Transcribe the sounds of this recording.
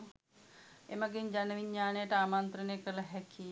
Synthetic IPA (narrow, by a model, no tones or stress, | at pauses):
emaɡeɲd͡ʒanəʋiɲːaːnejəʈəaːmant̪ɾənejkəlaɦɛkʰi